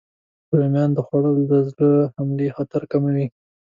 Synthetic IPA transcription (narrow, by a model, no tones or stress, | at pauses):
əlmjɑnd̪əxaɽəld̪əzləhamlexɑt̪ɪɾkamawi